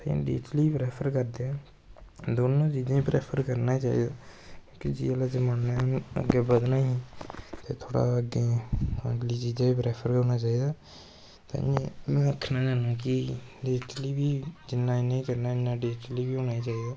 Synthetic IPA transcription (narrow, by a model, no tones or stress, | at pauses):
t̪ḛ̃ːɖḭːʈliːpɾɛːpʰəɾkəɾd̪eɛː | d̪oːnõːt͡ʃiːd͡ʒãːiːpɾɛːpʰəɾkəɾnaːit͡ʃa̰ːḭːd̪aːkjõːkid͡ʒḭːəlaːd͡ʒəmaːnːeːə̰ɡeːbəd̪nãːiːt̪eːt̪ʰoːɽa̰ːəɡeːəʈliːt͡ʃiːd͡ʒãːiːpɾɛːpʰəɾkəɾnaːt͡ʃaːiːd̪aː | t̪ã̰ːemɛ̃ːəkʰːnaːd͡ʒaːnaːkiɖeːʈliːbiːd͡ʒɪnːãːnẽĩːkəɾnaːɪnːaːɖeːʈliːbiːɦoːnaːiːt͡ʃaːiːd̪aː